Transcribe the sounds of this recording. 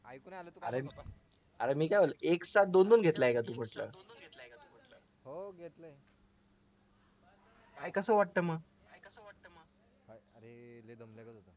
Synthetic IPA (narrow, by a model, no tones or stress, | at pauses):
j̪a̰ɾem | əɾemiːkajʋoləeksat̪̚d̪ond̪onɡʱet̪laekat̪̬uːm̤əʈlə̰ːɡʱet̪lekat̪um̤əʈlə | ɦoɡʱet̪lə | kajkəsəːʋaʈ̚t̪əməɡ | əat̪əə | ɾe | k̪